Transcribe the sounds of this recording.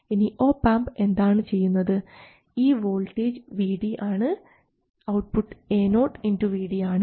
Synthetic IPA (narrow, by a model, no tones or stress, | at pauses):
iniʔoːpaːmbe̞nd̪aːɳɨt͡ɕe̞jːunːɐðɨ | iːʋo̞ːlʈeːd͡ʑʋiːɽiʔaːɳɨ | ɐwʈ̚puʈːɨ̥e̞ːno̞ːʈːinduʋiːɽiaːɳɨ